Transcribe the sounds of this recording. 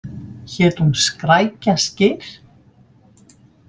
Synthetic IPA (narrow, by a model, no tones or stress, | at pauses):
çɛːt̪hunskɾaːjcascɪɾ̥